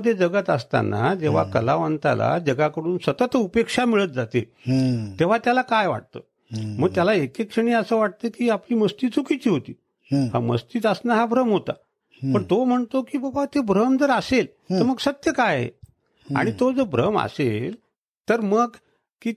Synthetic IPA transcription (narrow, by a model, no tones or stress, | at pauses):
d̪ʱjed͡zəɡət̪əst̪a̰na̰d͡ʑeʋ̤a̰kəlaʋənt̪a̰la̰d͡ʑəɡakəɽuːnsət̪ət̪upekʂamiɭət̪̚d͡zat̪e | t̪eʋ̤at̪jalakajʋa̰ʈ̚t̪ə̰ | məɡ̚t̪jalaekekʂəɳ̃iːəsəːʋaʈ̚t̪əkiːapliːməst̪iːt͡sʰukit͡ɕiːɦot̪iː | ha̰mə̰st̪iːt̪əsnaɦabɾəmɦot̪a̰ | pəɳt̪om̤əɳt̪okiːbəbat̪ebɾəmd͡zəɾəsel | t̪əɾməɡsət̪jəkajḛ | a̰ɽ̃it̪od͡zəbʱɾəma̰sel | t̪əɾməɡ | kiː